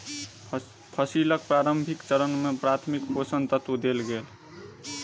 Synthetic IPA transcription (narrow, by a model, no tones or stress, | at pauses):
pʰəsilək̚pɾaːɾəmbʱikt͡ʃəɾənmepɾat̪ʰmikposənt̪ət̪wud̪elɡeːl